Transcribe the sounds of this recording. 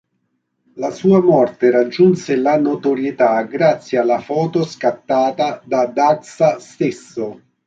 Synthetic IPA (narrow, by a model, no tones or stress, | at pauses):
lasuːamɔrt̪eɾad͡ʒːunselanot̪oɾjet̪aɡɾat̪sːjialːafɔːt̪oskat̪ːaːt̪ad̪ad̪aksast̪ɪsːo